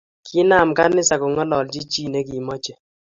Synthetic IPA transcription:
kʰɪ˦na˨mka˦nɪ˦sa˨kʊ˨ŋɔ˦lɔ˨ld͡ʒi˦t͡ʃi˦˨ne˦ki˨mɔ˦t͡ʃe˨

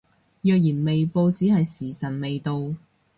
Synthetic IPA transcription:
jœː˨k̚jiː˨˩nme˨jpo˧wt͡siː˨˥hɐ˨jsiː˨˩sɐ˨˩nme˨jt̪o˧w

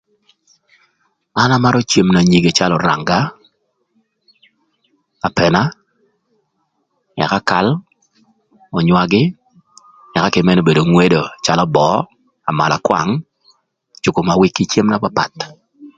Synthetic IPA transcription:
a˦na˦ma˦ɾʔɔ˦t͡ʃje˨mna˨ɲi˨ɡe˨t͡ʃa˦lɔ˨ɾa̰˨ŋɡa˦ | a˨pɛ˨na˦ | ɛ̰˨ka˦ka˨l | ɔ˨ɲwa˨ɡɪ˦ | ɛ˨ka˦kɪ˨mɛ˦no˨be˨do˨ŋwe˦do˨t͡ʃa˦lɔ˦bɔ˨˦ | a˨ma̰˨la˨kwa̰˨ŋ | t͡ʃʊ˨ko˨ma˨wɪ˦kːi˦t͡ʃe˦mna˦pa˦pa̰˨t

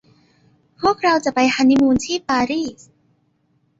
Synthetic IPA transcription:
pʰu˥˩ək̚ɾa˧wt͡ɕa˨˩pa˧jhʰa˧nːi˦˥muː˧nt̪ʰiː˥˩paː˧ɾiː˥˩s

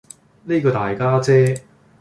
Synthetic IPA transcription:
ne˥kɔː˧t̪aː˨˩jkaː˥t͡sɛː˥

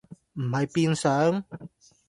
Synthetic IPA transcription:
m̩˨ma˨˧˦jpi˧nsa˨˧˦ŋ

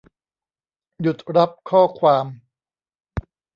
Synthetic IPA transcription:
ju˨˩t̪̚ɾa˦˥p̚kʰɔː˥˩kʰwaː˧m

